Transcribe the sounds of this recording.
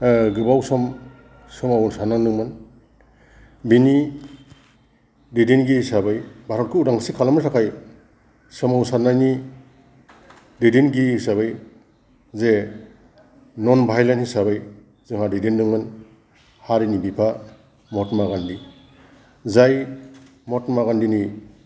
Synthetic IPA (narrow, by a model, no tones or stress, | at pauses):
ɡɯbawsɔm | sɯmawnsanaŋnɯŋmɯn | bini | didinɡisabɯjbʱaɾɔt̚kʰɯudaŋsikʰalamɯsʰakʰaj | sɯmawnsanani | didinɡiisaβɯj | ze | nɔnbʱajlanthisaβɯj | zɯŋɦadidindɯŋmɯn | haɾinibipʰa | mɔtmaɡandi | zaj | mɔtmaɣandini